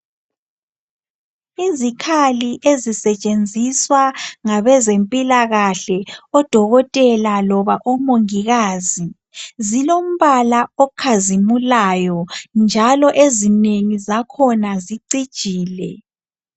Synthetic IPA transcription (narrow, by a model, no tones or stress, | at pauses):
izikʰaliʔezisɛt͡ʃʼend͡zʱiswaŋaβɛzempʼilaɣaɬɛɔd̥ʱɔɣɔtʼɛlalɔβaʔɔmoŋiɣaːzi | zilom̩βalaɔkʰazimulajɔnd͡ʒʱalɔʔezineŋizakʰɔnaziǀid̥ʒ̥ʱiːlɛ